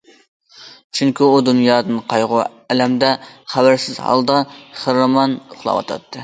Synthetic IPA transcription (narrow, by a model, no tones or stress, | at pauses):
t͡ʃʰyŋkʲiud̪unjɑːd̪ɨnqʰɑjʁʊ | ɛlɛmd̪ɛχæwæɾsɪzɦɑ̰lˠd̪ɑχɨɾɨmɑnʊχlˠɑ̰wɑ̰t̪ʰɑ̰t̪ʰːɨ